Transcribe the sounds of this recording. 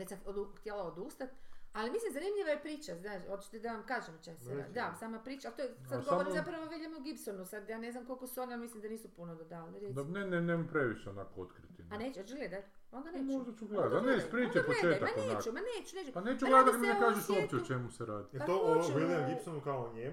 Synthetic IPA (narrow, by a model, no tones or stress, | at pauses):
ʋet͡ɕsauxt̪jelaod̪uːst̪at̪alimislimzanimʎiʋajepɾiːt͡ʃaznaːʃot͡ʃi̥t̪ed̪aʋamkaːʒemt͡ʃesɛɾa̰d̪d̪asaːmapɾiːt͡ʃalt̪oesad̪ɡooɾimzapɾaʋoʋid̪jamoɡipsonusad̪jaːne̞znamko̞lʲkosuo̞nialmislimd̪aniːsupunod̪ad̪ald̪aneneneːmapɾeʋiʃeonakoot̪kɾit̪inaneːt͡ʃɡled̪a | o̞nd̪anemoʒd̪at͡ʃuɡleaneispɾiːt͡ʃappoet͡ʃet̪aanenːakt͡ʃumaneːt͡ɕuneːt͡ʃupaneːt͡ʃuɡled̪at̪mekaːʒesuopt͡ʃeot͡ʃemuseɾaːd̪iet̪ooieɡipsonukaoɲem